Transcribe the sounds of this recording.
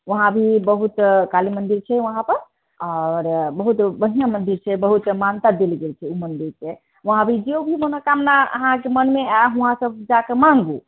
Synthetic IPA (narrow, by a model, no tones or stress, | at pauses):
ʋəɦãbʱibəɦut̪kalimənd̪iɾt͡ʃʰɛʋəɦãpəɾ | aɾbəɦut̪bənijamənd̪iɾt͡ʃʰɛbəɦut̪mant̪ad̪elɡelt͡ʃʰɛumənd̪iɾke | ʋəɦãbʱid͡ʒeobʱibonakamnaə̰ɦãkemənmeaɦũɦãsəb̚d͡ʒakemãŋɡu